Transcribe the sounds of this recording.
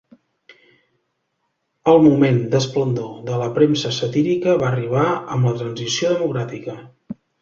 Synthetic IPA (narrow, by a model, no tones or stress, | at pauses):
əlˠmumend̪əsplənd̪oðələpɾemsəsət̪iɾikəβariβ̞aəmlət̪ɾənzisioðəmukɾat̪ikə